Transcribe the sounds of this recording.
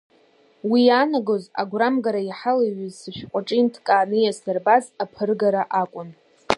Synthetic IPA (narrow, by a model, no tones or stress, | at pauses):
wijanaɡo̞za̰ɡʷramɡaɾaiħalaɥizsɨʃᶣqʷʼaʈ͡ʂʼintʰkʼaːnɨjasarbazapʰɨrɡaɾaʔakʷʼʊn